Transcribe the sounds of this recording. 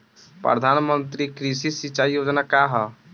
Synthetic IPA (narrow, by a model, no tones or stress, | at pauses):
pɾə̰d̪ʱaːnmə̃nt̪ɾikɾiʃisit͡ʃaːijoːd͡ʒnakaːɦa